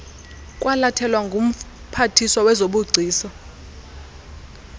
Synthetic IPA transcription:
kʼwʔalatʰɛlwaŋɡʱum̩ | pʰatʰisɔwɛzoɓuɡ͡ǀʱiːsɔ

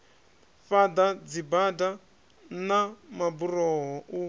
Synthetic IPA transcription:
fad̪ad͡zibada | namabuɾɔɦɔʔu

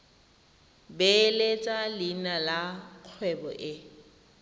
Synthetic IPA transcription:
belet͡sʼalɪnalaq͡χʰwɛbɔ̰ʔɪ

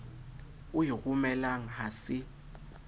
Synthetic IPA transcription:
ʊɦiɣumɛlaŋ̩hasɪ

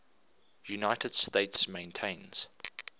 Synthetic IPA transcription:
junaɪtʰəd̥steɪtsmẽɪ̃ntʰẽɪ̃nz̥

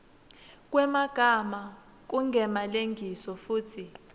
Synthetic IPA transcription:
k̬ʼwɛmaɡ̥ʱama | k̬uŋʱɛmaleŋɡʱisɔfuːtʰi

